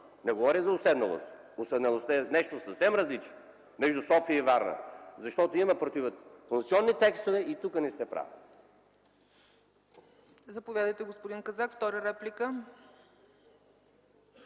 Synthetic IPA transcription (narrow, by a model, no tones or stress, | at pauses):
nɛɡovɔɾizɐʊsɛd̪nɐlˠo̰st̪ʊsɛd̪nɐlˠost̪əɛnɛʃt̪osɐfsɛmɾɐzlit͡ʃno | mɛʒd̪usɔfiəivaɾnə̰zɐʃt̪ɔt̪oimɐpɾot̪ivət̪kontsiɔnːit̪ɛkst̪ovɛit̪ukənɛst̪ɛpɾa̰v̰ | zɐpovʲjad̪əjt̪ɛɡospʊd̪inkɐzakft̪ɔɾəɾɛplikə